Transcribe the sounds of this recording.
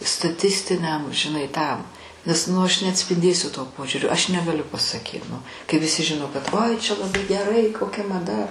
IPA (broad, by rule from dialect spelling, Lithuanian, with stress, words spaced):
stɐˈtʲɪsʲtʲɪnʲɛm ʒʲɪˈnɐɪ ˈtɐm nʲɛs ˈnʊ ɐʃ nʲɛɐtʲsʲpʲɪnʲˈdʲeːsʲʊ toː ˈpoːʒʲuːrʲoː ˈɐʃ nʲɛɡɐˈlʲʊ pɐsɐˈkʲiːt ˈnʊ kɐɪ ʋʲɪˈsʲɪ ˈʒʲɪnoː kɐt ˈoːɪ t͡ʃʲɛ lˠɐˈbɐɪ ɡʲɛˈrɐɪ koːˈkʲɛ mɐˈdɐ